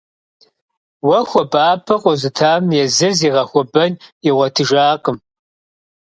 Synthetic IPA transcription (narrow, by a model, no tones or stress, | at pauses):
wɐxʷɔbaːpʰɐqʷʼɔzɨtʰaːmjɛzɨziːʁɐxʷɔbɐniʁʷɔtʰɨʒaːqʼəm